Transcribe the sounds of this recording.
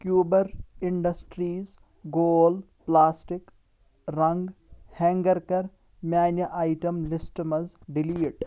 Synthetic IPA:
kjuːbɐɾɪɳɖɐsʈɾiːz | ɡoːl | plaːsʈɪk | ɾɐ̃ŋɡhɛ̃ːŋɡɐɾkɐɾ | mjaːnjɐʔaːɪʈɐmlɪsʈmɐzɖɪliːʈ

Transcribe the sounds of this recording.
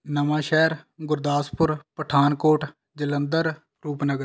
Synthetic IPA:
nəʋãːʃɛːɾɡʊɾd̪aːspʊɾpəʈʰaːnkoːʈ | d͡ʒələnd̪əɾ | ɾuːpnəɡəɾ

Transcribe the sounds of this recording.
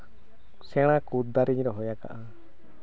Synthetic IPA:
sɛɽ̃akud̪aɾiɲɾɔɦɔjaka̰ʔa

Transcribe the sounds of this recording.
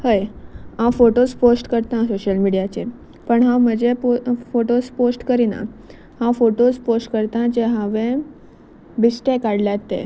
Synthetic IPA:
həjãwfoʈosposʈkəɾt̪ãsoɕəlmiɽijat͡ɕḛ | pəɳɦãwm̤əd͡ʑepofoʈosposʈkəɾinã̰ | hãwfoʈosposʈkəɾt̪ãd͡ʑeɦãʋẽ | bisʈekaɽljat̪ḛ

